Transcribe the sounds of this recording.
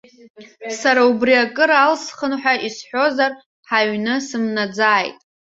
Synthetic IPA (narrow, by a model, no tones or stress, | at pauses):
saɾaubriakʼɨɾalsχənħʷᶣaʔisħʷᶣo̞zar | ħaɥnɨsɨmnad͡zaːjtʼ